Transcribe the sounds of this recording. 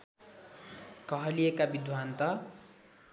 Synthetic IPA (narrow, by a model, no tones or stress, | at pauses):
kʌɦʌlijekabid̪ʱwant̪ʌ